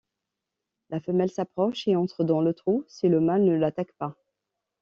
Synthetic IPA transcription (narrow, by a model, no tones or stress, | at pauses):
lafəmɛlsapχɔʃeɑ̃t̪χəd̪ɑ̃lət̪χusiləmalnəlat̪akpa